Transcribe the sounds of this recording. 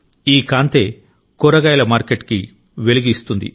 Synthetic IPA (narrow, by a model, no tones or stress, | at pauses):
iːkaːnt̪eː | kuɾɐɡɐjlɐmaːɾkeʈki | ʋe̞liɡist̪und̪ḭ